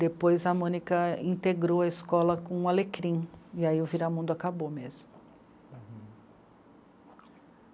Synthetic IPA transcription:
d̪epojzɐmõnikɐĩnt̪eɡɾowɐiskɔlɐkõũalekɾĩiaiʊviɾamũd̪ʊakabomezmʊ

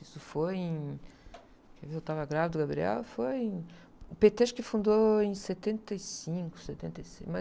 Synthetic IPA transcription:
isʊfojẽj̃ | keviewt̪avɐɡɾavɪd̪ʊɡabɾiɛ̰wɐfojẽ | upet̪eʃkɪfũnd̪oẽj̃set̪ẽnt̪ejsĩŋkʊ̥set̪ẽnt̪ejsemɐ

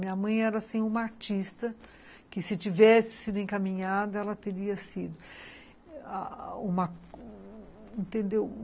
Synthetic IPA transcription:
mĩɲɐmɐ̃j̃ɛɾɐasĩũmɐaɾt͡ʃist̪ɐ | kɪsɪt͡ʃivɛsɪ̥sid̪ʊẽŋkamĩɲad̪ɐɛlɐt̪eɾiɐsid̪ʊ | aũmɐ | ẽnt̪ẽnd̪ew

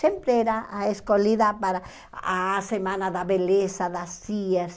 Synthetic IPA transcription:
empɾeeɾaaeskoliðapaɾa | asemãnaðaβelesaðasias

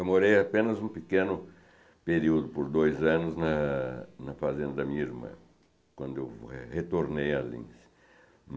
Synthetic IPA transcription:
wmoɾejapẽnɐzũpikẽnʊ | peɾiwd̪ʊpoɾd̪ojzɐ̃nʊznɐnɐfazẽnd̪ɐd̪ɐmĩɲɐiɾmɐ̰̃ | kwɐ̃nd̪ʊewhet̪oɾnejalḭ̃s

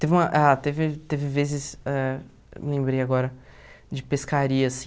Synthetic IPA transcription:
t̪evɪũmɐʔat̪evɪt̪evɪvezɪsɛ̰ | lẽmbɾejaɡɔɾɐ | d͡ʒɪpeskaɾiɐsĩ

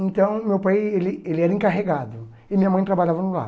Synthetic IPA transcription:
ẽnt̪ɐ̃w̃mewpajelɪelɪɛɾɐẽŋkaɦeɡad̪ʊ | ɪmĩɲɐmɐ̃j̃t̪ɾabaʎavɐnʊla̰

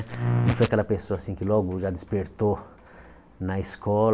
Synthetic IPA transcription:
nɐ̃fojɐkɛlɐpesoɐasĩkɪlɔɡʊʒad̪ɪspeɾt̪o | nɐɪskɔl

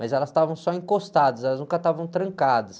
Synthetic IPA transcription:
majzɛlɐst̪avɐ̃w̃sɔẽŋkost̪ad̪ɐszɛlɐznũkɐt̪avɐ̃w̃t̪ɾɐ̃ŋkad̪ɐs

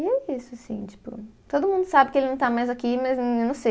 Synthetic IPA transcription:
ɛisʊasḭ̃t͡ʃi̥pʊ̰t̪od̪ʊmũnd̪ʊsabɪkɪelɪnɐ̃w̃t̪amajzakimɐzewnɐ̃w̃sej

